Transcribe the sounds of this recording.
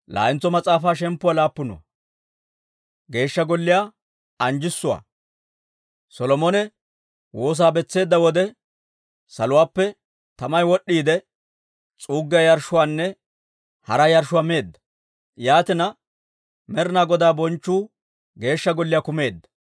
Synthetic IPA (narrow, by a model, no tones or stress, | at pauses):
la̰ːɪnt͡sːɔmɐt͡sʼaːfaːʃ̬ɛmpːʊwalaːpːʊnʊ̰wɐ̰ | ɡe̞ːʃːɐɡɔlːɪjaː | ɐnd͡ʒɪsːʊwa̰ː | sɔlɔmɔnɛ | wo̞ːs̬aːbɛt͡sːe̞ːd̪ːɐwɔd̪ɛ | sɐlʊwaːpːɛ | t̪ɐmɐjwɔɗːiːd̪ɛ | t͡sʼuːɡːɪjɐjɐɾʃːʊwaːnːɛ | hɐɾɐjɐɾʃʊwameːd̪ːɐ̥ | jaːt̪ɪnɐ | mɛɾɪnaːɡɔd̪aːbɔnt͡ʃːuː | ɡe̞ːʃːɐɡɔlːɪjakʊme̞ːd̪ːɐ̥